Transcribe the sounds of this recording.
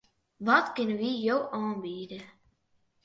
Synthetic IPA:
ʋɔtkɪnəʋijowʔɑːnbiːdə

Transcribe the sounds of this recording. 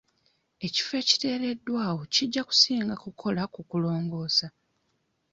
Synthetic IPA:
e̞ci̥fe̞ːci̥te̞ːɾe̞dːwaːwo̞ciɟːaku̥siːŋɡakukʰo̞lakukulo̞ːŋɡo̞ːsa

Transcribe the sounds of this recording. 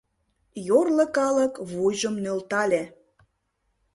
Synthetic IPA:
jorlə̆kɑləkβuʒəmnølt̪ɑlʲe

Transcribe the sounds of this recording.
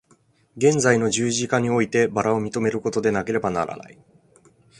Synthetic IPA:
ɡẽ̞nd͡zaino̞ʑɨːʑikaɲ̟io̞it̪e̞baɾao̞mʲit̪o̞me̞ɾɯ̟ko̞t̪o̞d̪e̞nake̞ɾe̞banaɾa̰na̰i

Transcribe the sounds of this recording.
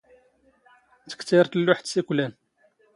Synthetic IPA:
t̪ə̥kt̪iɾˤt̪əlːʊħt̪siklæn

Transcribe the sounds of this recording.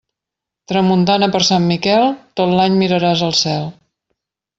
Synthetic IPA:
t̪ɾəmunt̪anəpəɾsamːikɛlˠt̪ot̪laɲmiɾəɾazəlˠsɛlˠ

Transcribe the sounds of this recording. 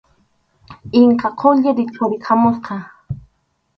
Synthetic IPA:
ɪŋkaqʰoʎɪɾɪt͡ʃʊɾɪkʰamosqɑ

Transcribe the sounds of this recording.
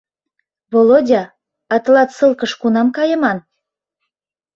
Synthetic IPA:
βolodʲɑ | ɑt̪ɤ̆lɑt̪sɤlˠkɤ̆ʃkunɑmkɑjɤ̆mɑn

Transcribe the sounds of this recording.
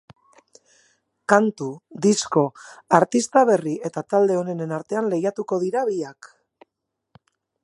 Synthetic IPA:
kant̪ud̪isko̞aɾt̪ist̪aβe̞riʔe̞t̪at̪ald̪e̞o̞ne̞nenaɾt̪e̞anle̞jat̪uko̞ðiɾaβiak

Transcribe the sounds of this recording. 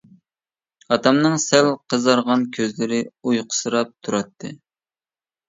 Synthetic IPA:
ɑt̪ʰɑmnɨŋsælqʰəzɑɾʁɑnkʲʰøzlɪɾɪujqʰʊ̥sɨɾɑp̚t̪ʰuɾɑt̪ʰːɨ

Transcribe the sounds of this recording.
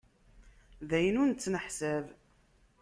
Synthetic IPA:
ðæjənunt͡sːnəħsæv

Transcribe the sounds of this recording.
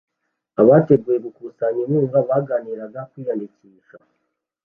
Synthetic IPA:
aβaːte̞ɡujeβukusaɲinuːɱvaβaːɡaːniɾaɡakwiːjandiciːʃa

